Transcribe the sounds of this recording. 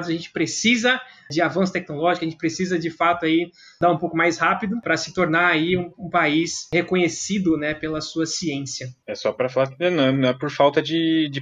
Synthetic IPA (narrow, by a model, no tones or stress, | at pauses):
d̪ʊzɐʒẽnt͡ʃɪ̥pɾesizɐd͡ʒɪavɐ̃sʊ̥t̪ɛk̚nolɔʒikʊɐʒẽt͡ʃɪ̥pɾesizɐd͡ʒɪfat̪ʊai | d̪aũpowkʊmajshapid̪ʊpɾɐsɪ̥t̪oɾnaaiũũpaishekõɲesid̪ʊnɛpelɐsuɐsiẽsjɐɛsɔpɾɐfalaɾkɪnɛ̃nɐ̃nɐ̃ɛpoɾfawt̪ɐd͡ʒɪd͡ʒɪ